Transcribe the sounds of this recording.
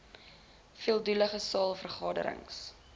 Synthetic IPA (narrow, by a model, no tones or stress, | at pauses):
fiəlˠdyləχəsɑːlˠfərχɑːdə̰ɾə̰ŋs